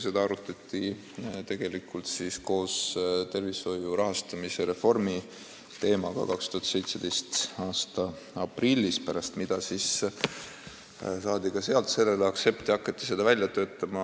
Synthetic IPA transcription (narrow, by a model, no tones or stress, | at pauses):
se̞d̪ɑɑɾut̪ːˑɑt̪ːˑi | t̪e̞ɡ̥e̞likult̪sisko̞ːst̪e̞rviso̞juɾɑɦɑst̪ɑmiseɾe̞fo̞rmi | t̪e̞ːmɑɡɑ̰kɑkst̪uhɑt̪se̞jt̪se̞d̪̥e̞jst̪ɑːst̪ɑ | ɑprilʲːispæɾɑst̪mid̪̥ɑsis | sɑːd̪̥iɡ̥ɑse̞ɑlt̪se̞lːelɑkse̞pt̪ːiɑkːˑɑt̪ːˑise̞d̪ɑvælʲjɑt̪ø̞ːt̪ˑːɑmɑ